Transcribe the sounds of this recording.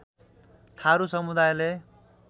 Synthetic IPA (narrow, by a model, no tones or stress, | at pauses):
t̪ʰaɾusʌmud̪ajle